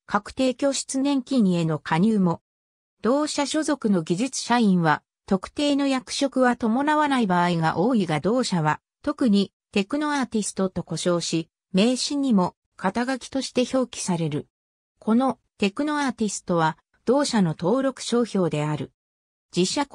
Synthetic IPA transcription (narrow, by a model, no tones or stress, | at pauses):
kʰakɯ̟̥t̪e̞ːkʲo̞ːɕi̥t͡sɨnẽ̞ŋkʲiɲ̟ie̞no̞kʰaɲ̟ɯːmo̞ | d̪̥o̞ːɕaɕo̞zo̞kɯ̟no̞ɡʲiʑit͡sɨ̥ɕaĩɰ̃βa | t̪o̞kɯ̟̥t̪e̞ːno̞jakɯ̟̥ɕo̞kɯ̟βat̪o̞mo̞naβanaibaːiɡa̰ʔo̞ːiɡad̪o̞ːɕaβa | t̪o̞kɯ̟ɲ̟i | t̪e̞kɯ̟no̞aːt̪ʲisɨ̥t̪o̞t̪o̞ko̞ɕo̞ːɕi | me̞ːɕĩɲ̟ːimo̞ | kʰat̪aɡakʲi̥t̪o̞ɕi̥t̪e̞ço̞ːkʲi̥saɾe̞ɾɯ̟ | kʰo̞no̞ | t̪e̞kɯ̟no̞aːt̪ʲisɨ̥t̪o̞β̞a | d̪̥o̞ːɕano̞t̪o̞ːɾo̞kɯ̟̥ɕo̞ːço̞ːd̪e̞aɾɯ̟ | d͡ʑiɕːa